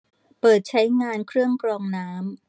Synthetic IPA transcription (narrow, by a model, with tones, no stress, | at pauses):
pɤː˨˩t̪̚t͡ɕʰa˦˥jŋaː˧nkʰɾɯ˥˩əŋkɾɔː˧ŋnaː˦˥m